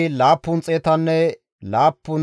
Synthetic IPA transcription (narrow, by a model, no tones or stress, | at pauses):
laːpːʊnt͡sʼeːt̪ɐnːɛ | laːpːʊn